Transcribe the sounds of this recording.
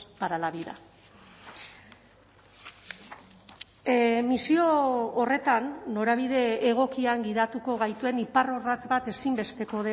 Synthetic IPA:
paɾalaβiða̰ | misioːre̞t̪anːo̞ɾaβ̞ið̞e̞ːɣ̞o̞kiaŋɡið̞at̪uko̞ɣ̞ajt̪ue̞niparo̞rat̪bat̪e̞simbe̞st̪e̞ko̞ðe

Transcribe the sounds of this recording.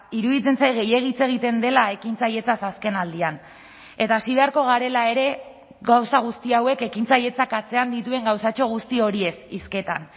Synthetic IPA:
iɾuðit͡se̞nsajɣe̞je̞ɣ̞it͡se̞ɣ̞it̪e̞nd̪e̞lae̞kint͡saje̞t͡sasaske̞nald̪ian | e̞t̪aːsiβeaɾko̞ɣ̞aɾe̞lae̞ɾe̞ | ɣawsaɣ̞ust̪iawe̞ke̞kint͡saje̞t͡sakat͡se̞and̪it̪ue̞ŋɡawsat͡ʃo̞ɣ̞ust̪io̞ɾie̞siske̞t̪an

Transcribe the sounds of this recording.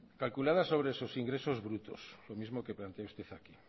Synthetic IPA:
kalkulað̞asoβ̞ɾeesosiŋɡɾesozβɾut̪oslomizmokeplant̪eaust̪eθaki

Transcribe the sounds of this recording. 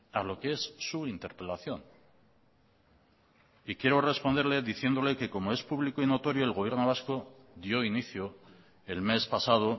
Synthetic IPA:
alo̞kee̞sːuint̪eɾpe̞laθjo̞n | ikje̞ɾo̞re̞spond̪e̞ɾle̞ðiθje̞nd̪o̞le̞ke̞ko̞moe̞spuβlikoino̞t̪o̞ɾjo̞elɣo̞β̞je̞ɾno̞β̞asko̞ | ðjo̞iniθjo | e̞lme̞spasað̞o̞

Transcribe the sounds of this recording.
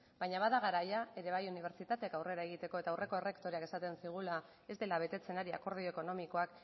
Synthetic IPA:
b̥ajɲaβaðaɣ̞aɾajae̞ɾe̞β̞ajuniβ̞e̞ɾt͡ʃit̪at̪eakawre̞ɾaeɣ̞it̪e̞ko̞e̞t̪awrʔe̞ko̞ere̞kt̪o̞ɾiake̞sat̪e̞nsiɣ̞ula | e̞zd̪e̞laβ̞e̞t̪e̞t͡se̞naɾia̰ko̞ɾð̞ioeko̞no̞miko̞ak

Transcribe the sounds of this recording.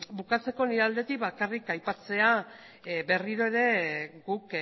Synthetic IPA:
bukat͡se̞ko̞niɾald̪e̞t̪ikβakarikajpat͡se̞a | be̞riɾo̞e̞ɾe̞ɡuk

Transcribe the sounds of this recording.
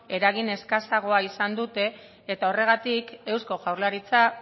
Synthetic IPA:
e̞ɾaɣ̞ine̞skasaɣ̞o̞aisand̪ut̪e̞ː | t̪ao̞re̞ɣ̞at̪ike̞wsko̞ʝawɾlaɾit͡sa

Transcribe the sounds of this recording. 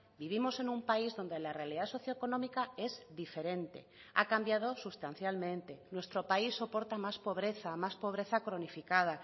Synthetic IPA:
biβ̞imo̞se̞nũmpaizðo̞nd̪e̞larealiðaso̞θjoekonõ̞mikae̞zd̪ife̞ɾẽ̞nt̪e̞̰ | a̰kambjað̞osust̪anθjalmẽ̞nt̪e̞nwe̞st̪ɾo̞paisːo̞po̞ɾt̪amaspo̞β̞ɾe̞θamaspo̞β̞ɾe̞θakɾonifikað̞a

